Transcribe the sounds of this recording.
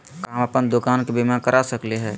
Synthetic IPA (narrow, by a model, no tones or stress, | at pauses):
kaːmapənd̪okaːnkebimakəɾʔasəkleɦɛː